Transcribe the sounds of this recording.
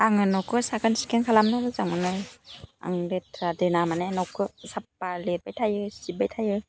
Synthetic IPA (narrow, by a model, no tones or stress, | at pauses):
aŋɯnɔwkʰɯsakʰɯnsi̥kenkʰalamnɯnɯzaŋɯnɯja̰ŋɾetʰɾadɯnamanenɔwkʰɯsap̚ːalet̚bajtʰajɯsibajtʰajɯ